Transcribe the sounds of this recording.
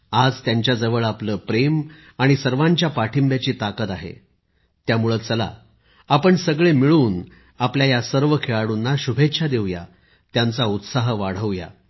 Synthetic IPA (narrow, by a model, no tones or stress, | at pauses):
ad͡zt̪jaɲt͡ɕjad͡zəʋəɭapləːpɾem | aɽ̃isəɾʋãɲt͡ɕjapaʈʰimbjat͡ɕiːt̪akət̪aɦḛ | t̪jamuɭəːt͡səla̰ | apəɳsəɡɭemiɭuːn | apljajasəɾʋəkʰeɭaɽunːaɕubʱet̪ːɕʰad̪eʋja̰ | t̪jant͡saut̪saɦʋaɽ̤əʋja̰